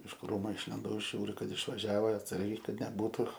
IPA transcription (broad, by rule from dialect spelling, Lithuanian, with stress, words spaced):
ɪʃ ˈkruːmʊ ɪʃʲlʲɪnˈdɐʊ ˈʒʲuːrʲʊ ˈkɐt ɪʃʋɐˈʒʲæːʋoː ɐtˈsɐrʲɡʲɛɪ kɐt nʲɛˈbuːtʊ